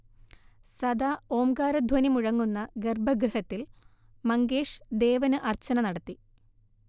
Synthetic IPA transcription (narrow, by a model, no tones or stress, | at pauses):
sɐd̪aːoːmɡaːɾɐd̪ʱwɐnimuɻɐŋːunːɐɡerbʱɐɡɾɐhɐt̪ːil | mɐŋɡeːʂd̪e̞ːʋɐnɨʔɐrt͡ɕːɐnɐnɐɽɐt̪ːi